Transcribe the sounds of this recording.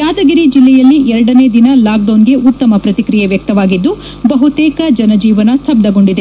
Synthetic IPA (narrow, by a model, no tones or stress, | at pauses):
jaːd̪ɐɡiɾid͡ʒilːɛjɐlːiʔɛɾɐɽɐneːd̪inɐlaːk̚ɖɐːnɡe̞ʔut̪ːɐmɐpɾɐt̪ikɾijɐʋjɐk̚t̪ɐʋaːɡid̪ːu | bɐɦut̪ɛːkɐd͡ʒɐnɐd͡ʒiːʋɐnɐst̪ʰɐb̚d̪ɐɡo̞ɳɖid̪e